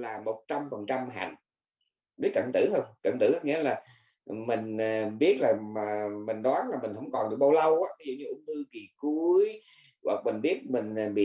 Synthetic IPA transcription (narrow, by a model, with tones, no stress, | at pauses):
laː˨˩mo˨˩t̚t͡ɕa˧mfə˨˩nt͡ɕa˧mɦa̰˧˩˨ŋ | ɗɨ˨˦kə̰˧˨nt̪ɨ˧˩hə˧wŋ͡mkə̰˧˩nt̪ɨ˧˩ʔa˨˦ŋḭ˧˥laː˨˩ | mï˨˩ŋ̟ː˨˩ɓi˦˥ət̚laː˨˩a˨˩mï˨˩ŋ̟ɗwaː˨˦nlaː˨˩mi˨˩ŋ̟hə˧˥wŋ͡mkɔ˨˩nɗɨ̰˨˧˩ɓə˧wlə˧wʔaː˨˦t̪ʰi˨˦zṵ˧˨˩ɲɨ˧ʔʊ̰˧˥ŋ͡mt̪ɨ˧ki˨˩ku˨˦əəj | ɣwa̰˨˩k̚mi˨˩ŋ̟ɓi˦˥ət̚mï˨˩ŋ̟˨˩ɓḭ˧˨